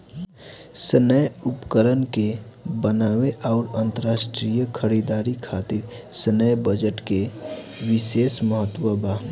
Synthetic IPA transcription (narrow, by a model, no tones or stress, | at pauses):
sənəjʊpkəɾənkebənaːweʔaːʊɾə̃nt̪əɾaːsʈɾijəkʰəɾid̪aːɾikʰaːt̪ɪɾ | sənəjbəd͡ʒəʈke | ʋɪseːsməɦət̪wəbʱaɦ